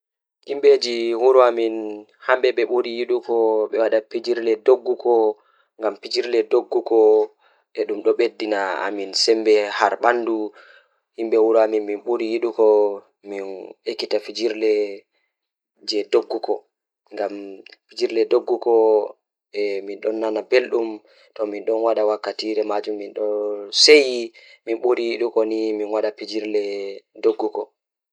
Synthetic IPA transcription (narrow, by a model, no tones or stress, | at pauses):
himɓed͡ʒiwuɾuamin | hambɛɓɛɓoɾijiɗukɔɓɛwaɗapid͡ʒiɾlɛdoɡːukɔ | ŋɡampid͡ʒiɾlɛdoɡːukɔ | ɛɗumɗɔɓedːinaa̰minsɛmbɛhaɾɓandu | himɓɛwuɾuaminminɓoɾijiɗukɔ | minekːitafid͡ʒiɾlɛ | d͡ʒɛdoɡːukɔ | ŋɡamfid͡ʒiɾlɛdoɡːukɔ | ɛminɗɔnːanabelɗum | tɔminɗɔnwaɗawakːatiɾɛmad͡ʒumːinɗɔsejiminɓuɾijiɗukɔniminwaɗafid͡ʒiɾlɛdoɡːukɔ